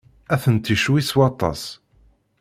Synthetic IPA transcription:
æθənt̪iʃwiswɑt̪ˤɑ̰s

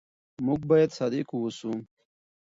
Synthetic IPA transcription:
muɡ̚bɑjad̪sɑd̪ekuwusu

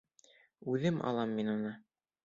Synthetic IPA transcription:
ʉðɘmʔɑ̰lˠɑmːinunɤ

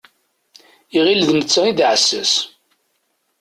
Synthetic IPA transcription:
iʁilðnət͡sːəiðʕəsːæs

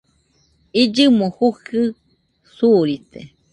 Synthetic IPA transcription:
id͡ʒɨmohuhɨ | suɾit̪e

